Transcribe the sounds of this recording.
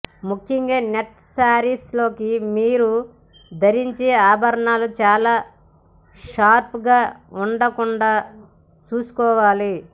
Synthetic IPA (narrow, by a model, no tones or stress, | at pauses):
mukʰjɐŋɡaːneʈ | saːɾislo̞ːkimiːɾu | d̪ʱɐɾiɲt͡ʃeːaːbʱɐɾɐɳaːlut͡ʃaːlaː | ʃaːɾpɡaːuɳɖɐkuɳɖaː | t͡ʃuːsu̥kɔːʋaːli